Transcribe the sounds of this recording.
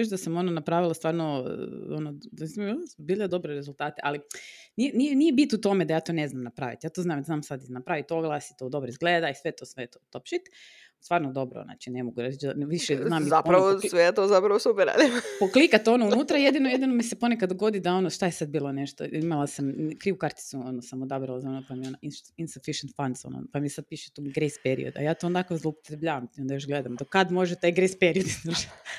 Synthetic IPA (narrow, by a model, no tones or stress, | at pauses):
eʃd̪asamo̞nonapɾaːʋilˠast̪ʋaːɾnoonomisimlbilʎad̪o̞bɾeɾezulˠt̪aːt̪eʔalinienijenijebit̪ut̪o̞med̪ajaːt̪o̞ːne̞znamnapɾaʋḭt̪jaːt̪oznaːmd̪aznaːmsad̪inapɾaʋit̪oɡlˠasit̪od̪o̞bɾoizɡleːd̪aisʋet̪o̞sʋet̪ot̪opʃit̪ | st̪ʋaːɾnod̪o̞bɾo̰na̰ːt͡ʃinemoɡuɾad̪it͡ʃd̪aʋiʃeznaːmizapɾaʋosʋejet̪oːzapɾɐʋosupɛɾa̰ːd̪ipoklikat̪eo̞nounnuːt̪ɾajed̪inojed̪inomisepo̞nekad̪d̪ːoɡo̞d̪id̪ao̞noʃt̪ajesad̪̚biːlˠo̞neʃt̪o̰imalˠasamkɾiːʋukaɾt̪i̥suonosamod̪abɾalazaonopamionainsinsufiʃent̪fand̪so̰no̰npamisad̪̚piːʃet̪uɡɾejspeɾḭo̰d̪a̰jaːt̪oond̪akozlˠopo̥t̪ɾebʎʲaːʋamt̪io̞nd̪ajoʃɡled̪amd̪okad̪mo̞ʒet̪aːjɡɾejspeɾiod̪inaʃ